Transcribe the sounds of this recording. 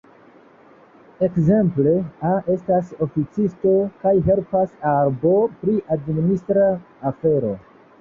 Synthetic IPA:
e̞kze̞mple̞ae̞stas̬o̞fit͡sisto̞kajɦe̞lpasaɾbo̞pɾiʔadmministɾaː | fe̞ɾo̞

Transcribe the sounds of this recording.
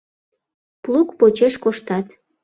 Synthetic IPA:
plukpot͡ɕeʃkoʃt̪ɑt̪

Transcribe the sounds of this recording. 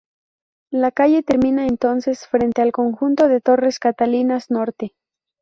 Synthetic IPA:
lakaʝe̞t̪e̞ɾmĩnaent̪o̞nse̞sfɾe̞nt̪e̞alko̞ŋxunt̪o̞ð̞e̞t̪o̞re̞skat̪alinazno̞ɾt̪e

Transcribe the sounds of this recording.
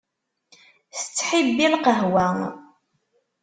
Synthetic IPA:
θə̥t͡sːħibilqəɦwæ

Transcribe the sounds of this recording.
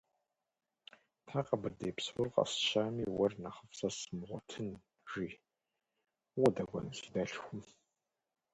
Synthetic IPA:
tʰaːqɐbɨrdeːpswʊrqɐ̰sɕaːmiːwɐrnɐχəfsɐsɨmʁʷɔtʰɨn | ʒ̥iː | wɔdɐɡʷɔ̰nɨɬidɐɬxʷʊm

